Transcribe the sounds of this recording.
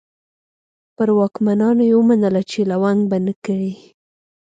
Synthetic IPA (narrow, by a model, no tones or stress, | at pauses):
pəɾwɑkmanɑnojewəmanəlat͡ʃelawaŋɡ̚banəkaɽi